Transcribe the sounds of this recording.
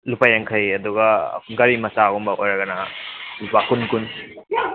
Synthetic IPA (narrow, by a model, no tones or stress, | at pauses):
lupajaŋkʰɐjɐduɡɐ̰ɡɐɾimɐsaɡumbɐʔojɾɐɡɐnɐlupakunkun